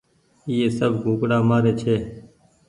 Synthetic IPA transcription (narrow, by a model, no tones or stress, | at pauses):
iːeːsəbɡʱũːkɽaːmaːɾeːt͡ʃʰeː